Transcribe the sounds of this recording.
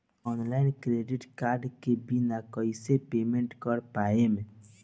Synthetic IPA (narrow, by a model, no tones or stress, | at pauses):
ɔːnlaɪnkɾeɖɪʈkaːɾɖkebʱinakɔisepeːmẽɳʈkɔɾpaemẽ